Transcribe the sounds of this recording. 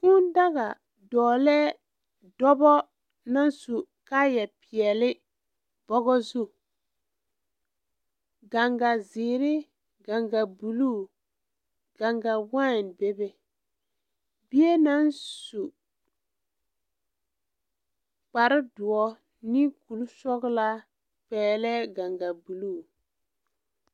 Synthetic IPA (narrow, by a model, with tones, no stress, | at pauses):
kʊ˦n˦da˦ɣa˨ | dɔː˨lɛː˦ | dɔ˦bɔ˦ | na˦n˦su˨ | ka˦jɛ˨pɪ˨ɛ˨lɪ˦ | b̥ɔ˦ɡɔ˦zu˦˨ | ɡa˨ŋɡa˨zɪː˨ɾɪ˦ | ɡa˨ŋɡa˨bu˨lu˦ | ɡ̥a˨ŋɡa˨wa˦˨n˨be˦bɛ˦ | bi˦e˦na˦nsu˨ | k͡pa˨ɾɪ˦dʊ˨ɔ˦ | nɪ˦ku˨lsɔ˦ɣla˦ | k͡pɛː˨lɛ˦ɡa˨ŋɡa˨bu˨lu˦˨